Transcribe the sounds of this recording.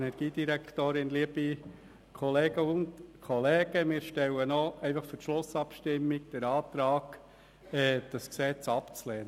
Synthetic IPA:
ɛnɛɾɡ̥iːd̥̪iɾɛkχt̪oːɾɪnliəbi | kʰɔleːɡəʊntkʰɔleːɡ̥əmɪːɾʃtɛwənoɛɪfɑχfʏɾtʃlʊsɑpʃtɪmːik̚d̥̪ɛɾɑːt̪ɾɑːɡ̥ | ɛd̥ɑsksɛt͡sɑpt͡slɛːnə

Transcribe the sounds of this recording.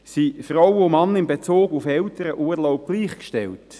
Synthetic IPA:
sifrɔwʊmɑnɪnbet͡soːɡufɛltəɾəʔuːɾlɔʊp̚ɡ̥liːχkʃtɛ̰lt

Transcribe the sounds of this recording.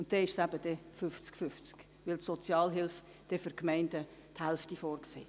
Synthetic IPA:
ʊnt̚d̥ɛɪʃsæb̥əd̥ɛfʏft͡skfʏft͡sk | ʋɪltsɔt͡sjɑːlɦɪlf | d̥ɛfʏɾkmɛɪndə | thælftifɔːrksḛː

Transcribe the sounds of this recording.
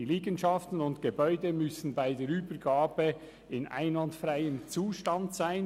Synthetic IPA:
iliːɡənʃɑftən̩ʊntɡ̥ebœʏdəmʏsn̩baɪdeːɾyːbəɾɡaːb̥ə | ɪnʔa̰ɪnlɑndfɾaɪənt͡suːʃtɑntz̥aɪn

